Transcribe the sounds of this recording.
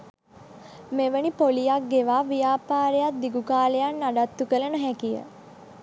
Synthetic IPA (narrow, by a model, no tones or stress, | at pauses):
meʋənipolijak̚ɡeʋaːʋijaːpaːɾejat̪̚d̪iɡukaːlejanːaɖat̪ːukələnəɦɛkijə̰